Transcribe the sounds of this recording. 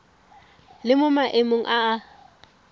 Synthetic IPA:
lɪmʊmaʔemoŋ̩ʔaː

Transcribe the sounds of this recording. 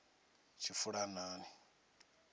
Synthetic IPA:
t͡ʃʰifuɺanaːni

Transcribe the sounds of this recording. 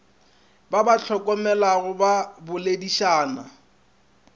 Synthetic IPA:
babat͡ɬʰɔkʼɔmɛlaɣʊbabʊlediʃaːna

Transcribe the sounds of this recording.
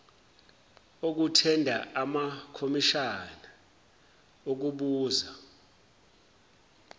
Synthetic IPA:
ok̬utʰɛndʱaʔamakʰomiʃana | ok̬uɓuːza

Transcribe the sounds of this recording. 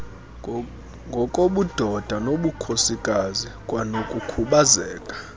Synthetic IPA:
ŋɡʱɔkʼoɓud̥ʱɔd̥ʱanoɓukʰosikʼazikʼwanokʼukʰuɓazɛːkʼḁ

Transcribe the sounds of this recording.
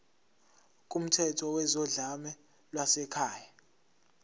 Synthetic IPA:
k̬ʼum̩tʰɛtʰɔwɛzɔɮamɛ | lwasɛkʰaːja

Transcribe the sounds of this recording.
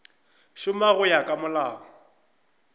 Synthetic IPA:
ʃʊmaɣʊjakʼamʊlaːɣɔ

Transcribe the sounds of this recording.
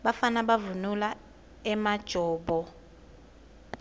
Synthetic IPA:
ɓafanaɓavunula | ɛmad̥ʒ̥ʱɔːɓɔ

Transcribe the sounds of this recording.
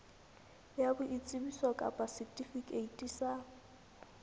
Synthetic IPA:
jabʊʔit͡sʼɪbiswakʼa̰pʼasitʼifikʼeitʼisa

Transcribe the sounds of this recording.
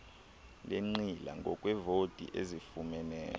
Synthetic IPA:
leŋ͡ǀila̰ŋɡʱɔkʼwɛvotʼḭʔezifumɛnɛ̰ːl

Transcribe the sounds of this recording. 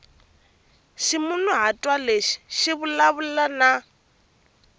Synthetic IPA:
ʃimʊnuɦatʼwaleʃi̥ʃiβʊlaβullana

